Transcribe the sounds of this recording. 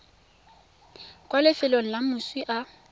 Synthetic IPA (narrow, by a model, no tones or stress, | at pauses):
kʼwalɪfɪlon̩lamʊswiʔa